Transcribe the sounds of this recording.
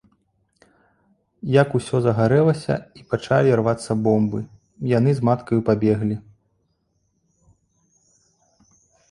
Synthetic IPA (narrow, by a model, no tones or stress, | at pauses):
jakusʲɔzɐɣaɾɛlˠɐsʲɐ̰ipat͡ʂalʲiarvat̪sːɐbɔmbɨ | janɨzmat̪kɐjupabʲɛɣlʲi